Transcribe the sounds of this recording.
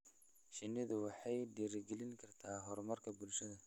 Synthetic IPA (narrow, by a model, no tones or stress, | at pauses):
ʃɪnɪðʊwɑħɑjd̪iːɾɪɡɛlɪŋkʰɐrt̪ʰaːɦɔrmɐrkʰɐbʊlʃɐðɐ